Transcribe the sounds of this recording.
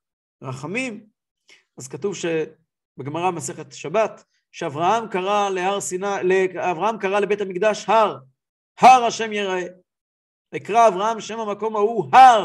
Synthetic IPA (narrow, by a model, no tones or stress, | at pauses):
ʁaχamim | azkatuvʃe | beɡmaʁamase̞χet̪ʃabat̪ | ʃeavʁahamkaʁalehaʁsinaleavʁahamkaʁale̞be̞t̪hamikd̪aʃhaʁ | haʁaʃe̞mjeʁae | eikʁaːvʁahamʃe̞mhamako̞mahuhaʁ